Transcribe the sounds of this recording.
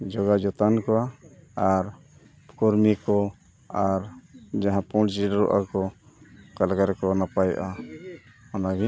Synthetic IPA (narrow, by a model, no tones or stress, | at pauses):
d͡ʒɔɡad͡ʒɔt̪ankɔaaɾ | kɔɾmikɔ | aɾd͡ʒaɦãpɔɽd͡ʒiɽɾɔʔa̰kɔ | kalɡaɾɛkɔnapajʔa | ɔnaɡi